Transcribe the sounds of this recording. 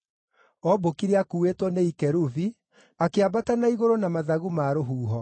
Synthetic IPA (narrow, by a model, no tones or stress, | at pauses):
ɔbokiɾeakuːwetwɔneikɛɾuvi | akeabatanaiɣoɾonamaðaɣumaːɾoɦuːɦɔ